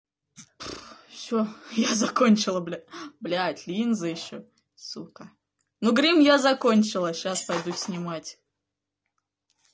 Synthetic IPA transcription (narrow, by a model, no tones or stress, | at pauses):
fsʲojazɐkonʲt͡ɕɪlˠəblʲblʲatʲlʲinzɨjɪɕːo | sukə | nuɡɾʲimjazɐko̞nʲt͡ɕɪlˠəɕaspɐjd̪usʲnʲɪmatʲ